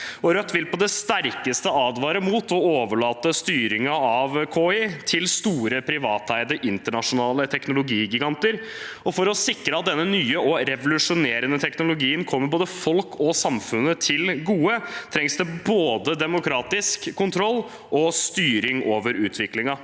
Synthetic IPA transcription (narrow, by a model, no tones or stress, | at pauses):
ɔɾœt̪ːʋɪlpɔd̪ɛst̪æɾkəst̪əɑːd̪ʋɑːɾəmuːt̪ɔoːʋəɭɑːt̪əst̪yːɾɪŋɑɑʋkʰoːɪt̪ʰɪlst̪uːɾəpʰɾɪʋɑːt̪ʰæɪd̪əʔɪnt̪əɳɑʂʊnɑːlət̪ʰɛknʊlʊɡiːɡɪɡɑnt̪əɾ | ɔfɔɾɔsɪkɾəɑt̪̚d̪ɛnːənyːəʔɔɾɛʋʊlʉʂʊneːɾənət̪ʰɛknʊlʊɡiːənkʰɔmːəɾboːd̪əfɔlkʰɔsɑmfʉnːət̪ʰɪlɡuːət̪ʰɾɛŋsd̪ɛboːd̪əd̪ɛmʊkʰɾɑːt̪ɪskʰːʊnt̪ʰɾɔlː | ʔɔst̪yːɾɪŋoːʋəɾʉːt̪ʰʋɪklɪŋɑ